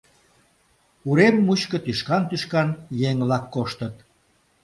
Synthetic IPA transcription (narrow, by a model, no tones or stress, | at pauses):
uɾemːut͡ɕkə̆t̪yʃkɑnt̪yʃkɑnjeŋlɑkːoʃt̪ət̪̚